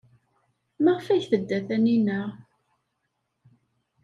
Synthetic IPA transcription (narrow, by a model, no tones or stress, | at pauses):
maʁəfæçθəd̪ːæθæninəʁ